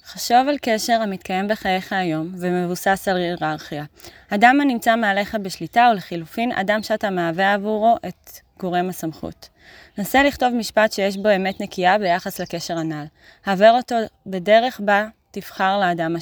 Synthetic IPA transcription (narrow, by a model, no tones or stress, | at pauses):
χaʃovalke̞ʃe̞ʁamit̪kaje̞mbeχaje̞χaːjo̞mvemevusasaliʁaʁχija | adamanimt͡sameale̞χabeʃlitaoleχilufinʔa̰damʃeatameaveavuʁoʔet | ɡ̥oʁemasamχṵt | naseliχto̞vmiʃpatʃejeʃ̬bo̞e̞me̞tnekiabe̞jaχasleke̞ʃe̞ʁanal | haveʁo̞to̞be̞de̞ʁe̞χbatifχaʁleːdama